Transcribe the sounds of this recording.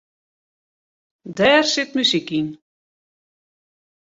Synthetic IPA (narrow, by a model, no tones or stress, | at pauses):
dɛːrsɪtmysikin